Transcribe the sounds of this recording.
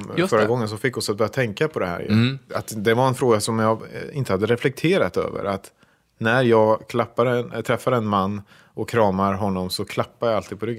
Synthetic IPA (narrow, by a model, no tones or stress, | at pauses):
fœɾaɡɔŋːənsɔfɪkːɔsat̪̚bœːɾjat̪ʰɛŋkapʰɔd̪ɛhæ̰ːɾjɵ̰at̪d̪ɛvaɾɛnfɾoːɡasɔmjɑːɡɪ̰nt̪ə̥had̪ːəɾɛflɛk̚t̪ʰeːɾat̪ø̰ːvə̰ɾat̪ | næɾjɑːɡkʰlapːaɾnt̪ʰɾɛfːaɾɛnmanː | ɔkʰːɾɑːmaɾɦɔnːɔmsɔkʰlapːaɾjajalt̪ʰiːd̪̚pʰɔɾʏɡː